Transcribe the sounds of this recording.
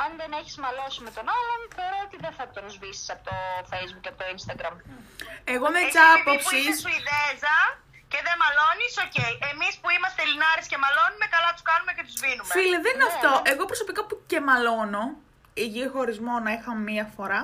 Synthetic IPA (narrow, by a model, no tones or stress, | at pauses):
ɐnðeneçi̥zmɐlo̞sime̞t̪o̞nɐlo̞nθeɾoot̪iðenθɐt̪oɾozvisi̥sɐpot̪ofe̞jzbukɐpot̪oinst̪ɐɡɾɐm | e̞ɣo̞met͡sɐpopsissiðezɐ | ce̞ðemɐlo̞nisoce̞iʔemispuimɐst̪elinɐɾesce̞mɐlo̞nume̞kɐlɐt̪uskɐnume̞cet̪uzminumfileðeninɐft̪o̞ʔe̞ɣo̞pɾoso̞pikɐpuce̞mɐlo̞no̞ | iʝixo̞ɾizmo̞nɐixɐmemiɐfo̞ɾɐ